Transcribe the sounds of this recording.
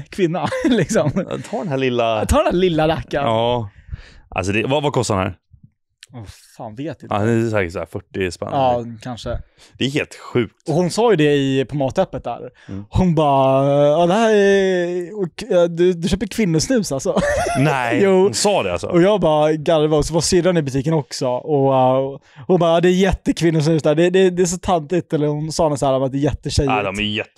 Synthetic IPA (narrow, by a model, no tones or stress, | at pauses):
kʰvɪnːalɪksɔmt̪ʰɑːɖɛnhæɭɪlːat̪ʰɑːɖ̪ɛnd̪æːɭɪlːaɾɛkːaː | ʔa̰ls̬ɔd̪ɛvavakʰɔst̪aɾdnhæ̰ɾ | faːnveːt̪̚ɪnɛsɛːkɪsæ̰ɾfœʈːɪspɛ̰nɑːkʰanʂə | d̪̥ɛæɾɦeːlt̪ɧʉ̟ːk̚t̪ɔhʊnsɑːjɵd̪ɛɪpʰɔmɑːt̪œpːət̪̚d̪æ̰ːɾhʊnbɑːɑːd̪ɛɦæːɾ | ɔd̪ɵd̪ɵɕøːpəɾkʰvɪnːʊsnʉ̟ːsalsɔnɛjuːsɑːd̪ɛ̰a̰lsɔ̰ɔjɑːɡbɑːɡaɾvasɔvasʏɾːanɪbɵt̪ʰiːkənɔksɔɔ | hʊnbɑːd̪ɛːjɛt̪ːəkʰvɪnːʊs̬nʉ̟ːsd̪æːɖɛd̪ɛːd̪ɛːs̬ɔt̪ʰant̪ɪt̪ɛlːəɾhʊnsɑːhnəshæːɾɔmat̪̚d̪ɛːjɛt̪ːəɕɛjdd̪ɔmmɛjjɛt̪ː